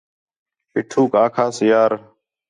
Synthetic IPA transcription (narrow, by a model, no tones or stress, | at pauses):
pɪʈʰuːkaːkʰaːsɪjaːɾ